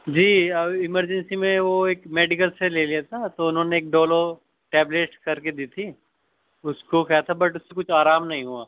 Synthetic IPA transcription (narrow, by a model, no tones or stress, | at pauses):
d͡ʒiːɐbɪməɾd͡ʒə̃nsimẽʋoeːkmeːɖɪkəlseleːliat̪ʰat̪oʊnɦõːneːk̚ɖoːlo | ʈɛːbleːʈkɐɾked̪iːt̪ʰi | ʊskokʰɛjat̪ʰabɐʈʊsːekʊt͡ʃʰaːɾaːmnɐɦĩɦuaː